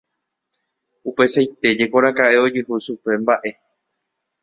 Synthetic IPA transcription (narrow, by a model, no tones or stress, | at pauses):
upe̞sajt̪e̞d͡ʒe̞ko̞ɾakaʔe̞o̞d͡ʒɨɦuʃupe̞mbaʔe̞